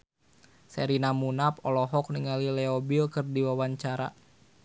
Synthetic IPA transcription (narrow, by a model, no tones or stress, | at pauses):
sɛɾinamunapɔlɔɦɔk̚niŋalilɛɔbikɨrdiwawaɲt͡ʃaɾa̰